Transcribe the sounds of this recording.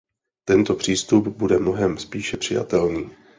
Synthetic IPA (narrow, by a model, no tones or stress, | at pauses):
t̪ɛnt̪o̞pr̝̥iːst̪upbudɛmno̞ɦɛmspiːʃɛpr̝̥ɪja̰t̪ɛlniː